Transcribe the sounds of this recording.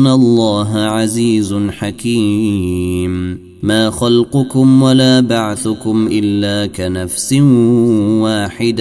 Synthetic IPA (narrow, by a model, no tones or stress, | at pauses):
nalˤːɑːɦaʕaziːzʊnħakiː | m | maːxalqʊkʊmwalaːbaʕθʊkʊmʔɪlːaːkanafsɪnwaːħɪd̪